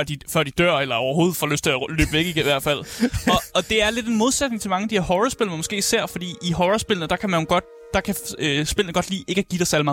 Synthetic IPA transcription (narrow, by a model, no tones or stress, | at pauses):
ɶɐ̰d̥ifɶɐ̰d̥id̥ɶɐ̰elɐɒ̰ʊɐɦo̝ːð̩ˠfɒ̰løsd̥t͡sʰe̝lælø̰ːb̥ʋeɡ̥iɡ̥ʋæɐd̥fæl̰ɒ̽ɒ̽d̥e̝æɐle̝d̥e̝nmo̝ð̞ˠsed̥ne̝ŋt͡sʰe̝mɑ̈ŋəd̥ihæɐhɒʁɐsb̥e̝lnəmɒɡ̥e̝̰ːisæɐ̰fɒ̽d̥ḭːiɦɒʁɐsb̥e̝lənəd̥ɑ̈kʰæmæjoɡ̥ɒd̥̚ | d̥ɑ̈kʰæøsb̥e̝l̰n̩əɡ̥ɒ̽d̥lḭːe̝ɡ̥æɡ̥id̥ɑsæɐlimɑ̈ː